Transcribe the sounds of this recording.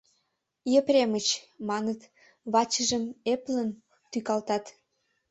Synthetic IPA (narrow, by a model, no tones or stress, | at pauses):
jeprʲemət͡ɕmɑnət̪ | βɑt͡ɕəʒəmeplən | t̪ykɑlt̪ɑt̪